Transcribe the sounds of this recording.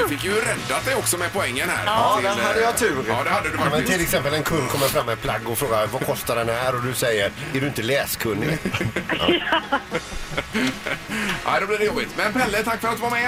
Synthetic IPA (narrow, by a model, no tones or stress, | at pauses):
fɪkːjɵɾɛd̪at̪̚d̪ɛjɔksɔmɛpʊɛŋːənhæ̰ːɾɔːɪd̪ɛnhad̪ːəjɑt̪ʰʉ̟ːɾɑːd̪ɛhad̪ːəd̪ɵamɛnʰɪlɛksɛmpəlɛnkʰɵnːkʰɔmːəɾfɾamːɛnpʰlaɡːɔfɾoːɡavakʰɔst̪ad̪ɛnhæːɾɔd̪ɵsɛjːəɾæɖɵɪnt̪əlɛːskʰɵnːɪ̰ | ʔa̰ɪd̪ɛbliːɾjuːblɪt̪mɛnpʰɛlːət̪ʰakːfœɾat̪d̪ɵvaɾmɛ